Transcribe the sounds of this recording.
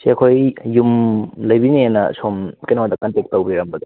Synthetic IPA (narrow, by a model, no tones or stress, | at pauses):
seɐkʰojːumlɐjbinienɐ̰somkɐjnowad̪ɐkɐntek̚tːɐwbɾiɾɐmbɐd̪ɐ